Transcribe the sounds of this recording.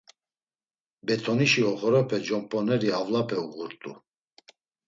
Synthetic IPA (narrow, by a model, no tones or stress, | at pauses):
bɛt̪ʰɔniʃiɔχɔɾapʰɛd͡ʒɔmpʼɔnɛɾiavlapʰɛuʁuɾt̪ʼṵ